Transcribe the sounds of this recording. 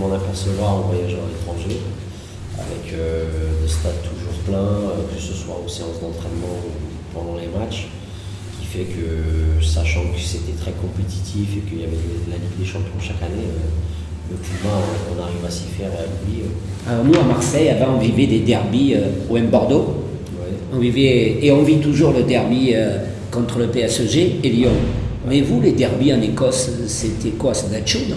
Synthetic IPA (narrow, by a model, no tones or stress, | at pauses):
mɑ̃napɛʁsəvwaʁɔ̃vwajaʒalet̪χɑ̃ʒe | a̰vɛkʰød̪est̪ad̪t̪ʰuʒuʁplɛ̃økəsəswa̰oseɑ̃sd̪ɑ̃t̪χɛnmɑ̃u | pɑ̃d̪ɑ̃lemat͡ʃ | kʲi̥fɛkʰəsaʃɑ̃kə̥set̪ɛt̪χɛkɔ̃pet̪i̥t̪ʰifekəijavɛd̪əlaliɡd̪eʃɑ̃pjɔ̃ʃakaneø | ləkubaɔ̃ɔ̃naʁivasi̥fɛʁealubiɛalɔʁnuamaʁsɛjavɑ̃ɔ̃vivɛd̪ed̪ɛʁbiøoɛ̃bɔʁd̪o | wiɔ̃vivɛːɔ̃vit̪uʒuʁləd̪ɛʁbiø | kɔ̃t̪χələpeɛsəʒeeljɔ̃mɛvuled̪ɛʁbiɑ̃nekɔs | set̪ɛkwaset̪at͡ʃun